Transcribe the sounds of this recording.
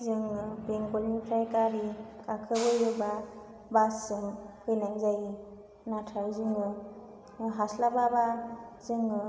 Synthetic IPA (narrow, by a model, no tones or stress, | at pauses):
zɯŋɯbeŋɡɔlipʰɾajkaɾikakʰɯbɯjɯba | basɯŋkʰɯjnajzaji | natʰawzɯŋɯ | ɦaslababazɯŋɯ